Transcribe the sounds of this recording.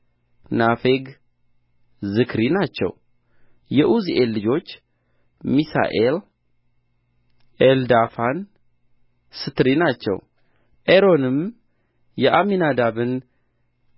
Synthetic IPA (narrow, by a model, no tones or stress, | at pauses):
nafeɡ | zɨkʰɾinat͡ʃːɛ̰w | jɛʔuziʔelːɨd͡ʒo̞t͡ʃː | misa̰ʔel | ʔeld̪afan | sɨt̪ɾinat͡ʃːɛ̰w | ʔeɾo̞nɨm | jɛʔaminad̪aβɨn